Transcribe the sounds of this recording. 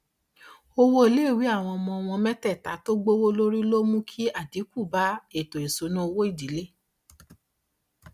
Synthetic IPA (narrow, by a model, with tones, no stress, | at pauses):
o˧wo˦e˨le˦˨wi˨˦a˦˨w̃ɔ̃˧ɔ˧mɔ̃˧ɔ˧w̃ɔ̃˧mɛ˦tɛ˦˨ta˨˦to˦ɡ͡bo˦wo˦lo˦ɾi˦lo˦mũ˦kʰi˦a˦˨di˨˦ku˦˨ba˦e˦˨to˨e˨so˨˧˦nũ˦o˧wo˦i˦˨di˨˦le˦˨